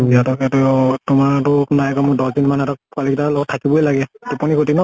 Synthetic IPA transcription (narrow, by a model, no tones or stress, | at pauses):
biatɔkɛtɛtʊmaɹtɔnajakɔmʊdɔdinmanɛtɔk̚kalikitalɔɡɔtʰːakibɔjlaɡɛdepɔnikotinɔ